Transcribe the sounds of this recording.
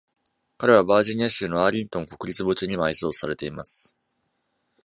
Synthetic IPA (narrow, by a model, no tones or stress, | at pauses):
kaɾe̞β̞abaːʑiɲ̟iaɕɨːno̞aːɾʲĩnt̪o̞ŋko̞̥kɯ̟ɾʲit͡sɨbo̞t͡ɕɨɲ̟imaiso̞ːsaɾe̞t̪e̞imasɨ̥